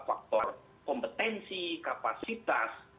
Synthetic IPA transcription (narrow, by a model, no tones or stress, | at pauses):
fak̚t̪ɔr | kɔmpət̪ɛnsikapasit̪as